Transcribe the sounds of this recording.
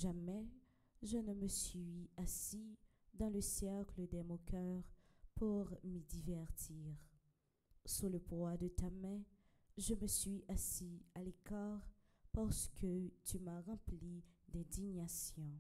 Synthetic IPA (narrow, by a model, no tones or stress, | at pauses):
ʒamɛ | ʒənəməsɥɥiasi | d̪ɑ̃ləsjɛkləd̪ɛmɔ̃kœʁpuʁmid̪ivɛʁt̪ʰiːʁ | suləpwad̪ət̪amɛ̃ | ʒəməsɥiʔasialekaʁ | paʁsə̥kət̪ymaʁɑ̃plid̪ɛ̃d̪iɲasjɔ̃